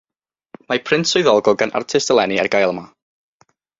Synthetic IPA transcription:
mapʰrɪntʰʊɨðɔlˠɡɔɡanʔa̰rtʰɪstəlˠɛniɛrɡajlˠma

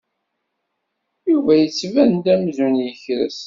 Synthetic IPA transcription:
juvæjət͡sːvænd̪æmzunjəçɾə̰s

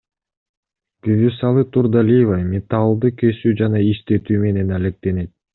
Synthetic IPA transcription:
kyvysɑlˠɯt̪uɾd̪alʲijvamʲet̪alˠd̪ɯkøsyd͡ʒɑnɑiʃt̪e̞t̪yːme̞ne̞nalʲe̞k̚t̪e̞ne̞t̪̚

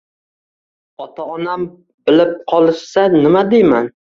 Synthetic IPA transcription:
ɒt̪ʰaɒnam | bɪlɪp̚qʰɒlˠɪʃsanɪmad̪ejman

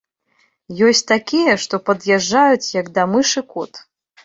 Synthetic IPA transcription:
jɔsʲt͡sʲt̪akʲijɐʂt̪ɔpɐd̪jaʐːajut͡sʲjɐɡd̪ɐmɨʂɨkɔt̪

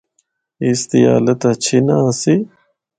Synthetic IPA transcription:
ist̪ija̰ːlɐt̪ɐt͡ɕʰinasi

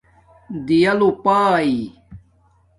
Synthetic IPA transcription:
d̪ijɐlupaːi

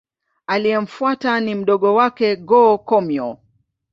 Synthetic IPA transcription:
alijɛm̩fuatanim̩ɗɔɠɔwakɛɡɔkɔmjɔ

